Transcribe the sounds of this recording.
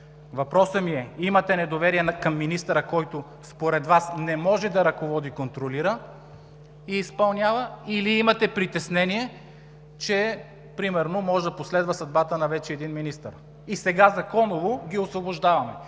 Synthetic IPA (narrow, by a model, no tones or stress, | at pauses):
vɐpɾɔsəmiɛimɐt̪ɛnɛd̪ovɛɾiɛnkɐmːinist̪əɾəkɔjt̪ʊ | spoɾɛd̪vasnɛmɔʒɛd̪ɐɾɐkovɔd̪ikont̪ɾoliɾə | iːspɐlˠnʲavəiliimɐt̪ɛpɾit̪ɛsnɛniɛ | t͡ʃɛ | pɾimɛɾnomɔʒɛd̪ɐposlɛd̪vɐsɐd̪̚bat̪ənɐvɛt͡ʃɛɛd̪inminist̪ə̰ɾ | isɛɡazɐkɔnovoɡʲiosvoboʒd̪avɐmɛ